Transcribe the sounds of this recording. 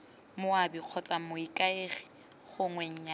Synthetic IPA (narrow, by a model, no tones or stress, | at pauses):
mʊabiq͡χʰɔt͡sʼamʊikʼaeχɪ̥ | χʊŋwɛɲ̩ɲa